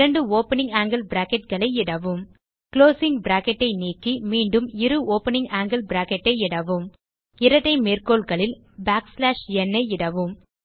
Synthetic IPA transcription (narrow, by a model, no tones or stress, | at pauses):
ɐɳɖɯoːpɐnɪ̃ŋɡaːŋɡɐlbɾaːkɛʈ̚ɡɐɭɐɪɪɽɐʋɯm | kloːsɪŋbɾaːkɛʈːɐɪniːkːimiːɳɖɯmɪɾɯoːpɐnɪŋɡaːŋɡɪlbɪɾaːkɛʈːɐɪɪɽɐʋɯm | ɪɾɐʈːɐɪmeːrkoːɭɣɐɭɪl | baːkslaːʂɛnːɐɪɪɽɐʋɯm